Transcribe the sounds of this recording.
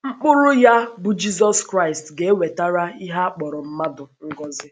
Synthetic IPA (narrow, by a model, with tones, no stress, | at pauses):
ŋ͡m̩˦k͡pʊ˦ɾʊ˦ja˦bʊ˦d͡ʒi˦zɔ˦skɾa˦˨ɪ˨stɡe˨e˦we˨ta˦ɾa˦i˦ɦa˦a˦k͡pɔ˨ɾɔ˨m̩˦ma˦dʊ˨ŋ̩˦ɡɔ˦zɪ˦